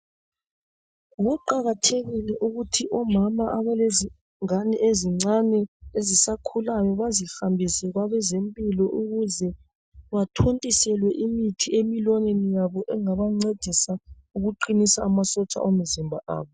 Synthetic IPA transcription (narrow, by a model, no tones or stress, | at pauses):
ɣuǃaɣatʰeɣilɛʔuɣutʰiʔɔmamaʔaβɛlezi | ŋanɛʔeziŋ͡ǀanɛezisakʰulajɔβazihambʱisɛɣwaβɛzempʼilɔʔuɣuzɛ | βatʰontʼisɛlwɛʔimitʰiemilɔnenijaβɔʔɛŋaβaŋ͡ǀed̥ʱisa | uɣuǃinisaːmasɔt͡ʃʼa̰ʔom̩zimbʱaʔa̰ːβɔ